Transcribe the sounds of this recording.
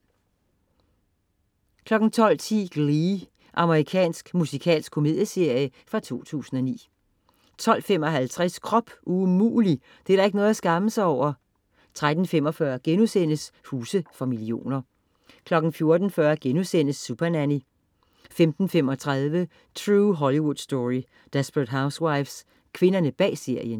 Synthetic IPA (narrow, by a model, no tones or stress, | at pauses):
kʰlɒ̽ɡ̥n̩t͡sʰɒ̽l̰t͡sʰḭɡ̥ʁi | ʔɑ̈məʁikʰɛ̰ːnsɡ̥musikʰɛ̰ːls̚kʰːo̝me̝ð̞ˠjəse̝ɐ̰jəfʁɑ̈t͡sʰo̝̰ːt͡sʰṵːsn̩ɒ̽nḭː | t͡sʰɒ̽l̰fem̰ɒ̽ɦælt͡sʰʁɛskʰʁɒ̽b̥umṵːli | d̥e̝ædɑ̈e̝ɡ̥nɔ̽ðˠæsɡ̥ɑ̈məsɑ̈ɪɒʊ̰ɐ | t͡sʰʁad̥n̩femɒ̽fɶɐɡ̥enusen̰əshuːsəfɒmilio̝̰ːnɐ | kʰlɒ̽ɡ̥n̩fjo̝ɐd̥n̩fɶɐɡ̥enusen̰əsːupʰɐnæni | femd̥n̩femɒ̽t͡sʰʁaðˠʋə | t͡sʰʁuːɦɒliwud̥sd̥ɔʁi | d̥esb̥ʁəd̥ɦäʊswɑ̈ɪfs | kʰʋe̝nɐnəb̥ɛ̰ːse̝ɐ̰jən